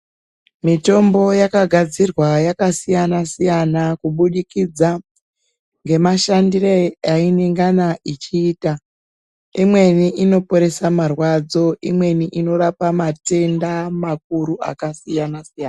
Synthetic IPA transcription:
mito̞mbo̞jakaɡʱad͡zirwajakasijanasijanakuɓuɗikid͡za | ŋɡe̞maʃandirejaineŋɡanait͡ʃiːta | imwe̞niʔino̞po̞ɾe̞samarwad͡zo̞ʔimwe̞niʔino̞ɾapamate̞ndamak̚uɾuʔa̰kasijanasijaːna

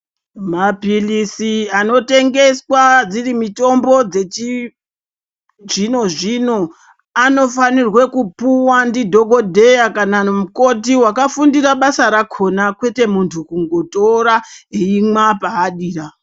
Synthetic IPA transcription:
mapilisiano̞te̞ŋɡe̞swad͡zirimito̞mbo̞d͡zet͡ʃi | ʐino̞ʐino̞ | ano̞fanirwe̞kupuwandidʱo̞ɡʱo̞dʱe̞jakanamuko̞tiwakafundiɾaɓasaɾakʰo̞nakwe̞te̞muntʰukuŋɡo̞to̞ɾaɦeimapaːɗiːra

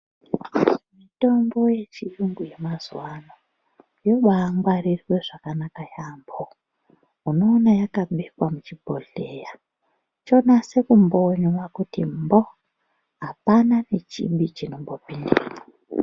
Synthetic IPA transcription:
mito̞mbo̞je̞t͡ʃijuŋɡuje̞mazwano | jo̞ɓaːŋɡwarirwe̞ʐ̥akanakajaːmbo | uno̞ːnajakaɓekwamut͡ʃibʱo̰ɮeja | t͡ʃo̞nase̞kumbo̞ɲwakutimbo̞ | ɦapanane̞t͡ʃḭmbit͡ʃino̞mbo̞pindiːra

